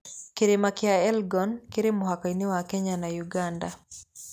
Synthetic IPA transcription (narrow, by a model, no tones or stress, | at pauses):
keɾemakɪaɛlɡɔnkeɾemoɦakainewakeɲanajuɡanda